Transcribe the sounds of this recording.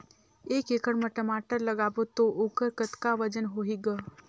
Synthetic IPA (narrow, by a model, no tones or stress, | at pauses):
eːkeːkəɽməʈəmaːʈəɾləɡaːbot̪oʔoːkəɾkət̪kaʋəd͡ʒənɦoɦiɡə